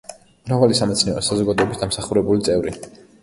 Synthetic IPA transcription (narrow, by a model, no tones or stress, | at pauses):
mɾavalisamɛt̪sʰniɔɾɔsazɔɡad̪ɔɛbi̥sd̪amsaχuɾɛbulit̪sʼɛvɾi